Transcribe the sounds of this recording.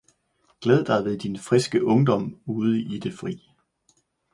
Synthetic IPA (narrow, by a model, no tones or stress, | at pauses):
ɡ̥leːð̞ˠd̥ɑ̈ɪʋe̝ðˠd̥infʁisɡ̥əʔɔ̽ŋd̥ɒ̽m̰uːð̞ˠəid̥e̝fʁḭː